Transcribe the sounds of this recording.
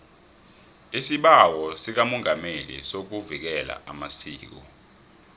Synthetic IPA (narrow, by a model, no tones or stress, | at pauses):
isiɓawɔsik̬amɔŋʱamelḭsok̬uvik̬ɛla̰ʔamasḭːk̬ɔ